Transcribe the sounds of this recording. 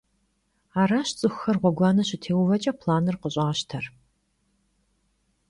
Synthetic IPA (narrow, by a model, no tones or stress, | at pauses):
aːɾaːɕt͡sʼɨxʷːxɐrʁʷɔɡʷɑːnɐɕɪtʰeːwvɐt͡ʃʼɐpʰlaːnɨrqəɕʼɐʁɐɕtʰɐr